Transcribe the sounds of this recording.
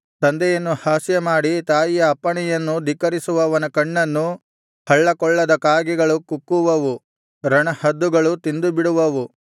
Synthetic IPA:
t̪ɐnd̪ɛjɐnːuhaːsjɐmaːɽit̪aːjijɐːpːɐɳɛjɐnːud̪ikɐɾisuʋɐʋɐnɐkɐɳːɐnːu | hɐɭːɐkɔɭːɐd̪ɐkaːɡɛɡɐɭukukːuʋɐʋu | ɾɐɳɐhɐd̪ːuɡɐɭut̪ind̪ubiɽuʋɐʋu

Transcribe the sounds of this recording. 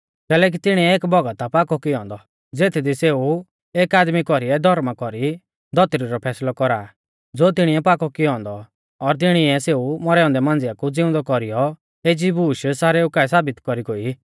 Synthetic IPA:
kɛːlɛːk̬it̪ɪɽ̃iɛeːkbɔɡat̪apaːkɔkiɔ̃ːnd̪ɔ | d͡zeːt̪ʰid̪iseːu | eːkaːd̪mikɔɾiɛd̪ʱɔɾmakɔɾi | d̪ʱɔt̪ɾiɾɔpʰɛːslɔkɔɾaː | d͡zoːt̪̬ɪɽ̃iɛpaːkɔkiɔ̃ːnd̪ɔ | ɔɾt̪ɪɽ̃iɛseːumɔɾɛːɔ̃nd̪ɛmãːnd͡zɪakud͡zɪʊ̃nd̪ɔkɔɾijɔ | eːd͡ʒibuːʃsaːɾɛukaɛsaːbɪt̪kɔɾiɡoːi

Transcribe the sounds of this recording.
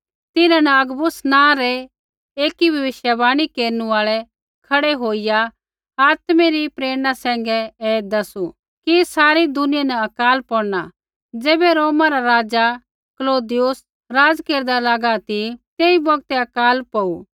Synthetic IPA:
t̪ɪnãnɛɐɡbʊsnãːɾɛ | eːkibʱɐʋɪʃjəbaːɽ̃ikeːɾnuaːɭɛ | kʰɐɽeɦoːɪja | aːt̪meɾipɾeːɽ̃asɛ̃ːŋ̆ɡɛɛːd̪ɐsu | kisaːɾid̪ʊnɪjanɛɐkaːlpɔːɽna | d͡zeːbɛɾoːmãɾaɾaːd͡za | kloːd̪ɪjʊs | ɾaːd͡zkeːɾd̪alaːɡat̪it̪eːibɐɡt̪ɛɐkaːlpɐu

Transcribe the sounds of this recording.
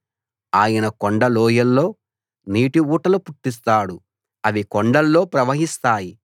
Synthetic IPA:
aːjɐnɐkoɳɖɐloːjɐlːo̞ː | niːʈiuːʈɐlupuʈːis̬t̪aːɽu | ɐʋikɔɳɖɐlːo̞ːpɾɐʋɐɦist̪aːji

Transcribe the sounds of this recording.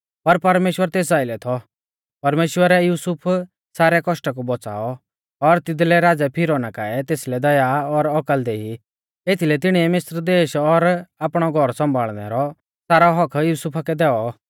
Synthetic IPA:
pɐɾpɐɾmeːʃwəɾt̪eːs̬aːɪlɛt̪ʰɔ | pɐɾmeːʃwəɾɛjuːsʊpʰ | saːɾɛkɔʃʈak̬ubɔt͡sa̰ːɔ | ɔɾt̪ɪd̪lɛɾaːd͡zɛpʰɪɾɔnakaɛt̪eːslɛd̪ɐjaɔɾɔkəld̪ɛi | et̪ʰilɛt̪ɪɽ̃iɛmɪsɾd̪eːʃɔɾaːpɽ̃ɔɡʱɔɾsɐ̃mbʱaːɭnɛ̰ɾɔ | saːɾaɦɔkʰjuːsupʰakɛd̪ɛːɔ

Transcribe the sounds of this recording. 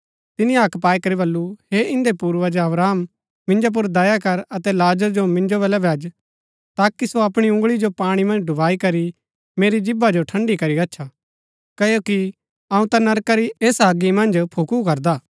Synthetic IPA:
t̪ɪnĩaːkpaːikɐɾibɐlːuheʔɪ̃nd̪epuːɾʋɐd͡ʒaɐbɾaːm | mɪ̃nd͡ʒop̬ʊɾd̪ɐjakɐɾɐt̪ɛlaːd͡ʒəɾd͡ʒomɪ̃nd͡ʒobɛlɛbʱɛːd͡ʒ | t̪aːkisoɐpɽ̃iʊ̃ŋɡɭid͡ʒopaːɽ̃imɐ̃nd͡ʒɖʊbaːikɐɾi | meːɾid͡ʒɪbad͡ʒoʈʰɐ̃ɳɖikɐɾiɡɐːʃʰa | kɐjoki | ɐũt̪anɐɾkaɾieːsaːɡimɐ̃nd͡ʒpʰukukɐɾd̪aː

